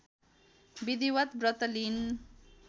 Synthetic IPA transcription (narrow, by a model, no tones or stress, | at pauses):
bid̪iwət̪bɾʌt̪lin